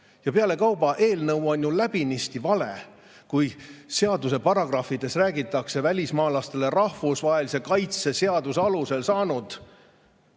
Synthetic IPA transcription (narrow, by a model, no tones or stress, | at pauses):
jɑpeɑle̞kɑwbɑʔe̞ːlnɤwo̞nʲjulæb̥inist̪ivɑle̞̰ | kujse̞ɑd̪use̞pɑrɑɡ̥rɑfid̪̥e̞sræːɡit̪ːˑɑkse̞vælʲismɑːlɑst̪e̞le̞rɑhvusvɑɦe̞lise̞kɑjt̪se̞seɑd̪useɑluse̞lsɑːnud̪̥